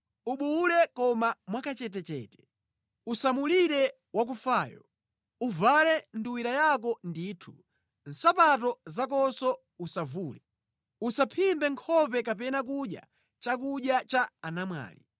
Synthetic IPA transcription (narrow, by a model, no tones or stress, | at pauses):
uɓulɛkɔmamwakat͡ʃɛt̬ɛt͡ʃɛ̰ːtɛ̥ | usamuliɾɛ | wak̬ufaːjɔ̰ | uvalɛnduwiɾajak̬ɔndiːtʰu̥ | n̩sapat̬ɔzak̬ɔsɔ | usavuːlɛ | usapʰimbɛŋkʰɔpɛkapɛnak̬uja̰ | t͡ʃak̬uɗjat͡ʃaanamwa̰ːlḭ